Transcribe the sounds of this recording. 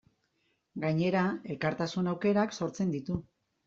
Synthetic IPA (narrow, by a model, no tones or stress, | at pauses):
ɡajɲe̞ɾae̞lkaɾt̪asunawke̞ɾakso̞ɾt͡se̞nd̪it̪u